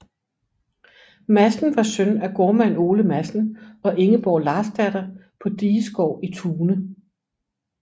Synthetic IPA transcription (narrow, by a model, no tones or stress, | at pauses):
mæsn̩ʋɑ̈sœnæɡ̥oɐmæno̝ːləmæsn̩ɒ̽ʔe̝ŋəb̥ɒːlɑ̈sd̥æd̥ɐpʰɒ̽d̥iːsɡ̥ɒʊ̰it͡sʰuːnə